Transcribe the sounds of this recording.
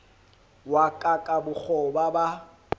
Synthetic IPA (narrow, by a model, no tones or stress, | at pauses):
wakʼakʼabʊk͡xʰɔbaba